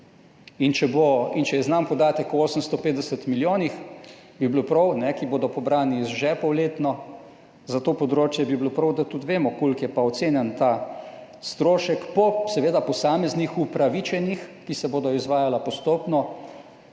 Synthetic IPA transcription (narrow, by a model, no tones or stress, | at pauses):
int͡ʃɛboint͡ʃɛjɛznampɔd̪aːt̪əkɔoːsəmst̪ɔpeːt̪d̪ɛsət̪miljoːnix | biblopɾɔwnɛkiboːd̪ɔpɔbɾaːnizʒɛpɔwleːt̪nɔ | zat̪oːpɔd̪ɾoːt͡ʃjɛbibilopɾɔwd̪at̪ut̪ʋeːmɔkoːlkjɛpaɔt̪seːnjant̪a | st̪ɾoːʃɛkpɔsɛʋeːd̪apɔsaːmɛznixupɾaʋit͡ʃɛnixkisɛboːd̪ɔizʋaːjalapɔst̪oːpnɔ